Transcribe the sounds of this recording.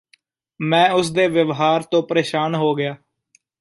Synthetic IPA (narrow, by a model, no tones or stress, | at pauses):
mɛ̃ːʊsd̪eːʋəʋɦaːɾt̪õːpəɾeːʃaːnɦoːɡɪjaː